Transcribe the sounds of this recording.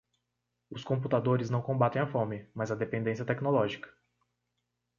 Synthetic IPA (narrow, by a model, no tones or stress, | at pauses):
ʊskõmp̬ut̪ad̪oɾɪznɐ̃w̃kõbat̪ẽj̃afõmɪmɐzɐd̪epẽnd̪ẽsjɐt̪ɛknolɔʒikɐ̥